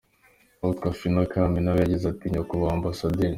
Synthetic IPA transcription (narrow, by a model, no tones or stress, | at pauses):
aut̪kafinakʰaminaβaɟizat̪iɲakuβaːmbasad̪in